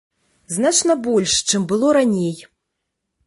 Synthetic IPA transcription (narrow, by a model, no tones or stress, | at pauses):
znat͡ʂnɐbɔlʲʂt͡ʂɨmbɨlˠɔɾanʲej